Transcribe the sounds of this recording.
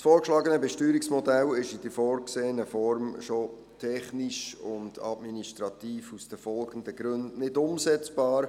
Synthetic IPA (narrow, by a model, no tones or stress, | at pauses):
sfoːɾkʃlɑːɡənəbɛʃtyːɾiksmɔdɛlɪʃid̥əfɔːɾkseːənəfɔɾmʃo | tʰɛχniʃʊndɑ̰dminiʃtɾɑt̪iːfusd̥əfɔlɡən̩dəɡ̥ɾɵndnɪdʊmsɛt͡sb̥ɑːɾ